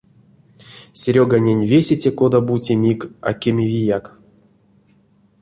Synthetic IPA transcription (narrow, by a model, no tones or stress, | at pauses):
sʲɾʲoɡanʲenʲvʲesʲet͡sʲekod̪abutʲemʲika̰kʲemʲevʲijak